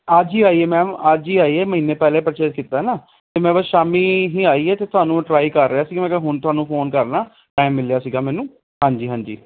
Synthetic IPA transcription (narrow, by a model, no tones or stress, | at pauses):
ad͡ʒɦiːaːiːɛːmɛ̃ːəd͡ʒiːaːiːɛːməɦiːnẽːpɛːleːpɾət͡ʃeːɾkiːt̪aːɦɛnaː | t̪eːmɛ̃ːbəsʃaːmiːɦĩːaːiːɛːt̪eːt̪ʊaːnũːʈɾaːikəɾːɪaːsiːɡaːmɛ̃ːkːɦʊnt̪ʊaːnũːpʰoːnkəɾnaː | ʈaːɪmːɪljaːsiːɡaːmɛ̃ːnũː | hãːɲd͡ʒiːɦãːɲd͡ʒḭː